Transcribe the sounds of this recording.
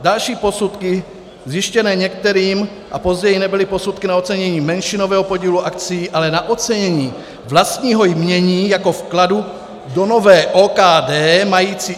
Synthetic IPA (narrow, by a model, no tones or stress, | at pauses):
dalʃiːpo̞sut̪kɪ | zjɪʃcɛnɛːɲɛk̚t̪ɛɾiːm | ʔa̰po̞zɟɛjinɛbɪlɪpo̞sut̪kɪnaot͡sɛɲɛɲiːmɛnʃɪnovɛːɦopo̞ɟiːluʔakt͡sijiːʔalɛnaʔot͡sɛɲɛɲiː | vlast̪ɲiːɦo̞jmɲɛɲiːjako̞fkladu | do̞novɛːʔoːkaːdɛːmajiːt͡si